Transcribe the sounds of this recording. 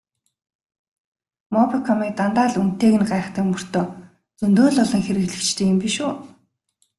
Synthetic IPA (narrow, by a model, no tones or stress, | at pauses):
mɔpikʰɔmik̚t̪ant̪aːɮun̥t̪eːɣɘ̆nɢaːχt̪ə̆kmɵr̥t̪oː | t͡sɵnt̪oːɮɔɮɞ̆ŋxeɾɘ̆ɣɮɘ̆kt͡ɕt̪ʰeːɘ̆mpiʃuː